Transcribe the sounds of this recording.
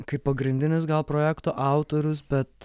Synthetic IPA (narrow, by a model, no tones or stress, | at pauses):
kɐɪppːɐɡɾʲɪnʲd̪ʲɪnʲɪsɡɐlˠpɾoːjæːkt̪oːʔɑˑʊt̪oːɾʲʊs̬bʲɛt̪